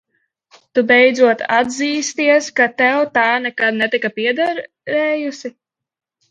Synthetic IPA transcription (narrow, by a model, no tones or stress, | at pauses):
t̪ubɛjd̪zuɔt̪a̰d̪ziːst̪iɛskat̪ɛwt̪aːnɛkad̪̚nɛt̪ikapiɛd̪ɛɾ | ɾɛːjusi